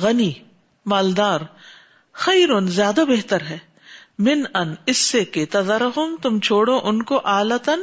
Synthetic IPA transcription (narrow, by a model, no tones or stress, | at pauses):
ɣɐniː | maːld̪aːɾ | xɐɪɾʊnzjaːd̪abeɦt̪əɾɦɛː | mɪnɐnɪsːeket̪ɐzaɾɐɦʊmt̪ʊmt͡ʃʰoːɽõʔʊnkoʔaːlət̪ən